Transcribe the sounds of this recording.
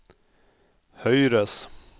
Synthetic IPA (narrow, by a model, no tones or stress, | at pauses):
hœjɾəs